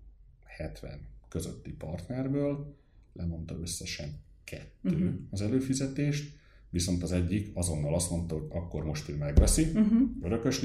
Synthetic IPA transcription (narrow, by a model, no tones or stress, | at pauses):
hɛt̪ʋɛ̰nkø̞zø̰t̪ːipɒrt̪nɛrbøːl | lʔɛmo̞nt̪ɒø̞sːɛʃɛm | kʰɛt̪ːøːɒzɛløːfizɛt̪eːʃt̪ | ʋiso̞nt̪ɒzɛɟːikɒzo̞nːɒlɒst̪mo̞nt̪ɒɦo̞ɟɒkːo̞rmo̞ʃt̪øːmɛɡʋɛsiøɾø̞kø̞ʃ